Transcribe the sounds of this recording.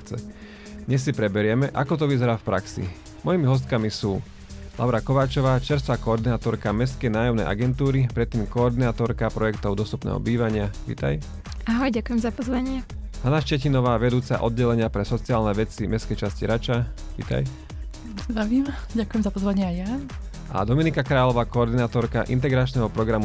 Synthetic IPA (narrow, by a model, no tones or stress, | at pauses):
t͡sɛ̰ | d̪ɲɛs̬ːipɾɛbɛɾɪɛmɛʔakɔt̪̬ɔʋizɛɾaːfpɾaksḭ | mɔjimiɦɔs̬t̪kamisuː | lʔa̰ʊɾakɔʋaːt͡ʃɔʋaːt͡ʃɛɾst̪ʋaːkɔːɾd̪inaːt̪ɔɾkamɛs̬kɛjnaːjɔʊnɛ̰jʔa̰ɡɛnt̪uːɾipɾɛt̪ːiːmkɔːɾd̪inaːt̪ɔɾkapɾɔjɛkt̪ɔʊd̪ɔst̪u̥pnɛ̰ːɦɔ̰biːʋaɲɪaʋḭːt̪a̰j | aɦɔjɟakujɛmzapɔzʋaɲɪɛɦanaʃcɛcinɔʋaːʋɛd̪uːt͡sa̰ʔɔd̪̚ɟɛlɛɲɪapɾɛsɔt͡siaːlnɛʋɛt͡simɛskɛjt͡ʃasciɾat͡ʃa | ʋḭːt̪a̰j | zd̪ɾaʋiːmɟakujɛmzapɔzʋaɲɪɛajja | ʔa̰d̪ɔminikakɾaːlɔʋaːkɔːɾd̪inaːt̪ɔɾka̰ʔḭnt̪̬ɛɡɾat͡ʃnɛːɦɔpɾɔɡɾamu